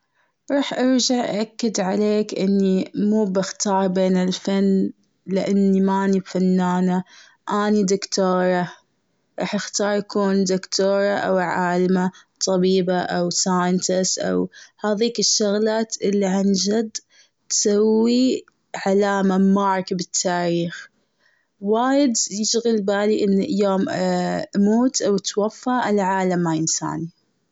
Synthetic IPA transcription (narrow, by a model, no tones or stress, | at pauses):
ɾˤɑːħʔɑɾd͡ʒaʕʔʔʔakːɪd̪ʕaleːkʔɪnːimuːbɪxt̪ɑːɾˤbeːnɪlfanː | lɪʔanːimaʔnibfanːaːna | ʔaːnid̪ɪkt̪oːɾˤɑ | ɾˤɑ̰ːħʔɪxt̪ɑːɾˤjakuːnd̪ʊkt̪oːɾˤɑʔa̰wʕaːlmat̪ˤɑbiːbaʔawsaːjɪnt̪ɪsʔa̰whaːðiːkɪʃːʊɣlaːt̪ʔɪlːiʕand͡ʒad̪ | t̪sawːi | ʕalaːmamɑɾˤkbɪt̪ʰːaːɾiːx | waːjɪd̪jɪʃɣɪlbaːliʔɪnːjoːm | muːt̪ʔawt̪wafːaʔɪlʕaːlamːajɪnsa̰ːni